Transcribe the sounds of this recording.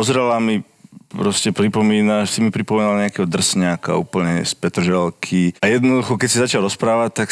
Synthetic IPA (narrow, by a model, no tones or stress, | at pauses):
pɔzɾɛlami | pɾɔscɛpɾipɔmiːnaʃsimipɾipɔmɛːnalaɲɛakɛɦɔd̪r̩sɲaka̰ṵːpl̩ɲɛspɛt̪rʒɛlkʰiajɛd̪nɔd̪uxɔkɛcsizat͡ʃɪalɾɔspɾaːʋac̚t̪ak